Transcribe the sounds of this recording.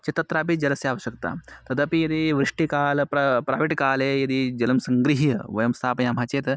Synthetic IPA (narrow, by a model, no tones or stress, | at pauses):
t͡ʃɐt̪ɐt̪ɾaːpid͡ʒɐlɐsjaːʋɐɕjɐk̚t̪a̰ːt̪ɐd̪ɐpijɐd̪iʋɾiʂʈikaːlpɾɐpɾa̰ːʋiʈkaːlejɐd̪id͡ʒɐlɐmsɐŋɡɾiɦijɐʋɐjɐmst̪ʰaːpɐjaːm̤ɦaːt͡ʃeːt̪